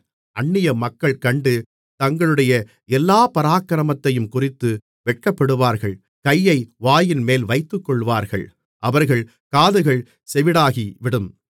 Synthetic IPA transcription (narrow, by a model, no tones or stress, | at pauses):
ʔɐɳːɪjɐmɐkːɐɭkɐɳɖɯ | t̪ɐŋɡɐɭɯɽɐjɐ | ɛlːaːpɐɾaːkːɐɾɐmɐt̪ːɐjɯmkʊrɪt̪ːɯ | ʋɛʈ̚kɐpːɐɽɯʋaːɾɣɐɭ | kɐjːɐɪʋaːjɪnmeːlʋɐɪt̪ːɯkːɔɭʋaːɾɣɐ̰ɭ | ʔɐʋɐɾɣɐɭ | kaːðɯɣɐɭ | sɛʋɪɽaːɣiʋɪɽɯm